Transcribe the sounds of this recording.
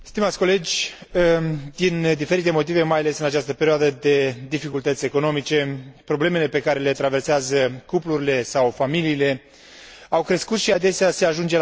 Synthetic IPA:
st̪imat̪sʲko̞le̞d͡ʒʲəd̪ind̪ife̞ɾit̪e̞mo̞t̪̬ive̞majale̞sɨnat͡ʃast̪əpe̞ɾioad̪əd̪e̞d̪ifikult̪ət̪sʲe̞ko̞no̞mit͡ʃe̞pɾo̞ble̞me̞le̞pe̞kaɾe̞le̞t̪ɾave̞rseazəkupluɾile̞sawfamiliːle̞ | awkɾe̞skut̪ʃiad̪e̞sease̞aʒund͡ʒe̞

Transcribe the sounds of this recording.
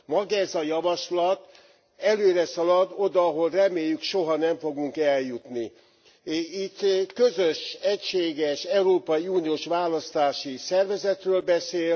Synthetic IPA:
mɒɡɛzɒjɒvɒʃlɒt̪ | ɛløːɾɛsɒlɒd̪o̞d̪ɒːɦo̞lrɛmeːjːykʃoɦɒnɛɱfo̞ɡuŋkɛljut̪ni | it̪ːkø̞zøʃɛcʃeːɡɛʃɛuɾoːpɒjiuːnioːʃʋaːlɒst̪aːʃisɛrvɛzɛt̪røːlbɛseːl

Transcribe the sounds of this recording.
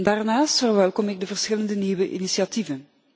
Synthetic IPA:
daːrnaːstfərʋɛlˠkɔmɪɡ̚dəvərsxɪləndəniːwəʔḭnisiativən

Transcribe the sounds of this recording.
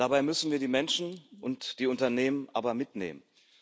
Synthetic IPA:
d̥abaɪmʏsn̩viːɐɾiːmɛnʃn̩ʔʊntd̥iːʊntɐneːmənʔaːbɐmɪtnḛːmən

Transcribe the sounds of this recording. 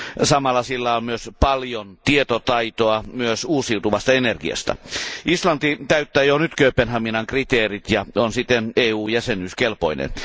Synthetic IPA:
sɑmɑlːɑsilːɑonmyøspɑljont̪iet̪ot̪ɑit̪oɑmyøsuːsiut̪uʋɑst̪ɑenerɡ̥iɑ̰st̪ɑ̰ʔislɑnt̪it̪æyt̪ːæːjonyt̪køypenhɑminɑŋkrit̪eːrit̪jɑonsit̪ːeneːuːjæsenyːskelpo̰inḛn

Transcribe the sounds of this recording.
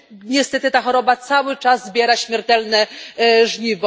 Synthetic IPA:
ɲɛst̪ɛt̪ɘt̪axɔɾɔbat̪sawɘt͡ʂazzbʲjɛɾaɕmʲɛɾt̪ɛlnɛʐɲivɔ

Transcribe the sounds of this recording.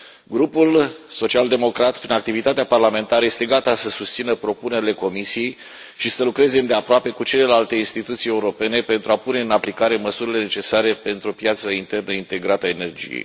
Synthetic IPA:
ɡɾupulso̞t͡ʃiald̪e̞mo̞kɾat̪pɾinak̚t̪ivit̪at̪eaparlame̞nt̪aɾəjest̪e̞ɡat̪asəsust̪sinəpɾo̞pune̞ɾile̞ko̞misije̞j | ʃisəlukɾe̞zeɨnd̪eapɾoape̞kut͡ʃe̞le̞lalt̪e̞inst̪it̪ut̪sije̞uɾo̞pe̞ne̞pe̞nt̪ɾuapune̞ɨnaplikaɾe̞məsuɾile̞ne̞t͡ʃe̞saɾe̞pe̞nt̪ɾuopjat̪səint̪e̞rnəint̪e̞ɡɾat̪əaene̞rd͡ʒḭjḛj

